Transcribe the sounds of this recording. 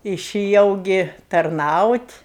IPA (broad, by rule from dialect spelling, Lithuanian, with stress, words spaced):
ɪʃʲɪˈjɛʊ ˈɡʲɪ tɐrˈnɐʊtʲ